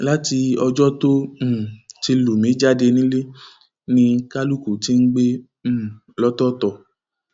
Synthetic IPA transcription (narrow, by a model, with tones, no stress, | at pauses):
la˦ti˧ɔ˧d͡ʒɔ˦tõ˦˨ | ti˧lu˨mĩ˨˦d͡ʒa˦de˧nĩ˦le˦ | nĩ˧ka˦lu˦˨ku˨ti˦n̩˦ɡ͡bẽ˦˨ | lɔ˦tɔ˦tɔ˦˨